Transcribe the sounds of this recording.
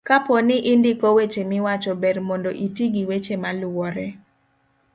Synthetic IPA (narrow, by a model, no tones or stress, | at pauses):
kaponɪʔɪndɪkowet͡ʃemɪwat͡ʃɔbɛɾmɔndoʔitiɡiwet͡ʃemalʊwɔɾɛ